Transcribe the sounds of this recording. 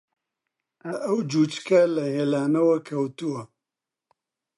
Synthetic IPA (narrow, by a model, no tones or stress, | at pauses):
ɐʔɐwd͡ʒut͡ʃkɐlɐheːlaːnɐwɐkʰɐwt̪uwɐ